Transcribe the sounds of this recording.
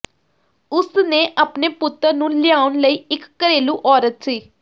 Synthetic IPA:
ʊsnẽːʔəːpneːpʊt̪ːəɾnũːlɪaːʊnləiːɪkːəɾeːluːʔɔːɾət̪siː

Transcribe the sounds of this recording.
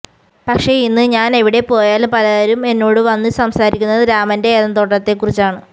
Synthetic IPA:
pɐkʂe̞inːɨɲaːne̞ʋiɽe̞po̞ːjaːlpɐlɐɐɾume̞nːo̞ːɽɨʋɐnːɨsɐmsaːɾḭkʲːunːɐɨɾaːmɐnde̞ːðɐmt̪o̞ːʈːɐt̪ːe̞kːurit͡ɕːaːɳɨ

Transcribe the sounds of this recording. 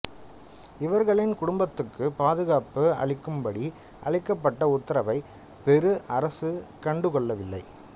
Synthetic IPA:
ɪʋɐɾɣɐɭɪnkʊɽʊmbɐt̪ːɯkːɯpaːðɯɣaːpɯɐ̰ɭɪkːɯmbɐɽi | ɐ̰ɭɪkːɐpːɐʈːɐʊt̪ːɐɾɐʋɐɪ | pɛɾɯʔɐɾɐsɯkɐɳɖɯkɔɭːɐʋɪlːɐ̰ɪ

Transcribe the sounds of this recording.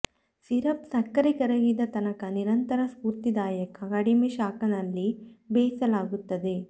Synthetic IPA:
siɾɐpsɐkːɐɾikɐɾɐɡid̪ɐt̪ɐnɐkɐniɾɐnt̪ɐɾɐspuɾt̪id̪aːjɐkɐɡɐɽimeʃaːkɐnɐlːibeːsɐlaːɡut̪ːɐd̪e̞

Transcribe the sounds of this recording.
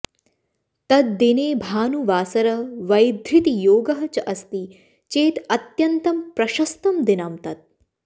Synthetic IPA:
t̪ɐt̪̚d̪ineːbʱaːnuʋaːsɐɾɐʋɐjd̪ʱɾit̪ijoːɡɐɦɐt͡ʃɐʔɐst̪i | t͡ʃeːt̪ɐt̪jɐnt̪ɐmpɾɐʃɐst̪ɐmd̪inɐmt̪ɐt̪̚

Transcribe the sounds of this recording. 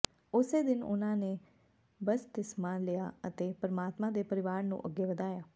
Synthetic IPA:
ʊseːd̪ɪnʊ̰nãːneː | bəst̪ɪsmãːleja̰ːət̪eːpəɾəmaːt̪mãːd̪eːpəɾɪʋaːɾnṵ̃ːʔəɡːeːʋəd̪aːjaː

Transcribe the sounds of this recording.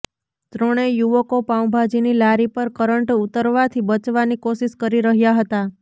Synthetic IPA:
t̪ɾəɽ̃ejuʋəkopãũbʱad͡ʒinilaɾipəɾkəɾəɳʈut̪əɾʋat̪ʰibət͡ʃʋanikoʃiʃkəɾiɾəɦjaɦət̪a

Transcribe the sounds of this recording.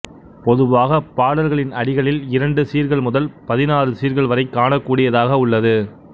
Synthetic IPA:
pɔðɯʋaːɣɐpaːɽɐɾɣɐɭɪnɐɽɪɣɐɭɪlɪɾɐɳɖɯsiːɾɣɐɭmʊðɐlpɐðɪnaːrɯsiːɾɣɐɭʋɐɾɐɪkːaːɳɐkːuːɽɪjɐðaːɣɐʊɭːɐðɯ

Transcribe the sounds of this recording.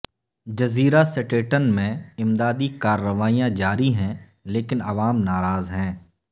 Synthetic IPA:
d͡ʒɐziːɾasɪʈeːʈənmẽɪmd̪aːd̪ikaːɾːəʋaːijãd͡ʒaːɾiɦɛ̃ | leːkɪnɐʋaːmnaːɾaːzɦɛ̃ː

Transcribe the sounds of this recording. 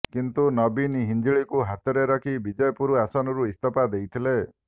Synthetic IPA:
kint̪unɔbiniɦind͡ʒiɭikuɦat̪ɔɾeɾɔkʰibid͡ʒɔjɔpuɾuasɔnɔɾuist̪ɔpad̪ejt̪ʰile

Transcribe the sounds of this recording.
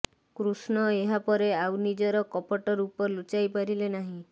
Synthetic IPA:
kɾusnɔeɦapɔɾeawnid͡ʒɔɾɔkɔpɔʈɔɾupɔlut͡ʃajpaɾilenaɦĩ

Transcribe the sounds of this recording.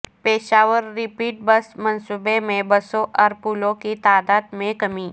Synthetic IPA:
peːʃaːʋəɾːɪpiːʈ̚bɐsmɐ̃nsubemẽbɐsõʔɔːɾpuːlõkit̪aːd̪aːd̪mẽkɐmiː

